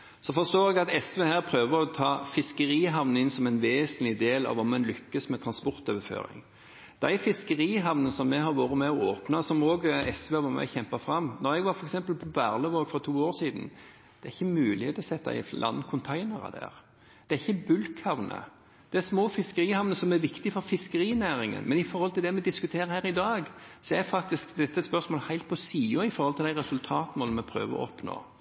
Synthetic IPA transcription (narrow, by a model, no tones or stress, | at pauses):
sɔfɔʁst̪oːɾɛɡɑt̪ɛsʋeːhæːɾpʰɾøːʋəɾɔt̪ʰɑːfɪskəɾiːɦɑʋnəɪnsɔmɛnʋeːsənlɪd̪eːlɑ̰ʋɑmɛnlʏkːəsmɛt̪ʰɾɑnspɔɾt̪øːʋəfø̰ːɾɪ̰ŋ | d̪̥æɪfɪskəɾiːɦɑʋnənsɔmːɛɦɑɾʋoːɾət̪mɛɔoːpnɑsɔmoːɡəɛsʋeːʋɑmɛ̰çɛmpɑfɾɑmːnɔɾɛɡʋɑɾfɔɾɛksɛmpəlpʰɔbæːɾləʋoːɡfɾɔt̪ʰuːoːɾsiːd̪n̩ | d̪̥ɛɾɪçːəmʉːlɪet̪ʰɔsɛt̪ːɑ̰ɪ̰lʔɑ̰nkʰʊnt̪ʰæɪnəɾɑ̰d̪æ̰ːʁ | d̪̥ɛæɾɪçːəbʉlkʰhɑʋnʔə̰ | d̪̥ɛæsmoːfɪskəɾiːhɑʋnəsɔmæɾʋɪkt̪ɪfɔɾfɪskəɾiːnæːɾɪŋə̰nmɛnɪfɔɾhɔlt̪ɪd̪ɛmɛd̪ɪskʉt̪ʰeːɾəhæːɾɪd̪ɑːɡsɔæɾfɑk̚t̪ɪskd̪ɛt̪ːəspœɾsmoːləhæɪt̪̚pʰɔsiːʊɪfɔɾʁhɔlɪld̪æɪɾɛsʉlt̪ʰɑːt̪moːləmɛpʰɾø̰ːʋəɔ̰ɔpno̰ː